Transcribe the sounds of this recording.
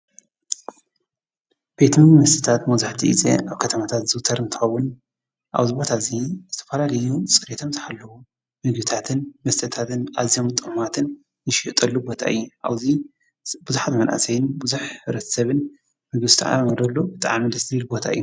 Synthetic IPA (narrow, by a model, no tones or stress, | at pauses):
b̥et̪minmɐst̪ʰʼi̥t̪ʰat̪mɐwzaħt̪ʰiḭzḛʔaβkʰɐt̪ʰɐmat̪ʰat̪zɨɡt̪ʰɐɾɨnt̪ʰɨ̥xɐwun | ʔa̰βzibo̞t̪ʰazizɨt̪ʰɐ̥fɐlalɐjusʼɨɾet̪ʰomzɨħalːɐwu | mɨɡbit̪ʰat̪ʰɨnmɐst̪ʼɐt̪ʰat̪ɨnʔaβzijomt̪ʼɨχʼmat̪ʰɨn | nɨʃɪʔt̪ʼɐlːubo̞t̪ʰa̰ʔɨ̰jːuʔaβzi | buzuħat̪mɐnʔa̰sɐjɪnbɨzuħɨβɾɐt̪ʰɐ̥sɐβɨn | mɨɡɨst̪ʰa̰ʕa̰mɐd̪ɐlːobɨt̪ʼa̰ʕmid̪ɐst̪ɾilbo̞t̪ʰa̰ɨ̰jːu